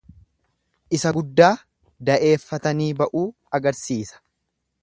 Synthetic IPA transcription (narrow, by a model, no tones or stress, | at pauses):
ʔɪsɐɡʊd̪ːaː | d̪ɐʔe̞ːfːɐt̪ɐniːbɐʔuː | ɐɡɐɾsiːsɐ̥